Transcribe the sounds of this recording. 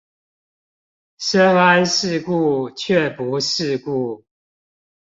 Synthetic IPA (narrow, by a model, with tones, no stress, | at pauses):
ʂə˦ŋa˦nʂɻ̩˥˧˨ku˥˧t͡ɕʰɛ˥˨pu˨˦ʂɻ̩˥˧ku˥˩